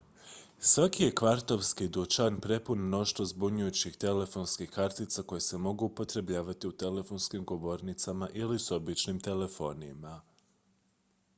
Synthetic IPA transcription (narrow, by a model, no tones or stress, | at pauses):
sʋakije̞kʋaɾt̪o̞ʋskid̪ut͡ʃanpɾe̞punno̞ʃt̪ozbuɲujut͡ɕixt̪e̞le̞fo̞ːnskixkaɾt̪it̪sako̞jese̞mo̞ɡuːpo̞t̪ɾe̞bʎaːʋat̪iut̪e̞le̞fo̞nskimɡo̞ʋo̞ɾnit̪samaʔiliso̞bit͡ʃnimt̪e̞le̞fo̞ːnḭma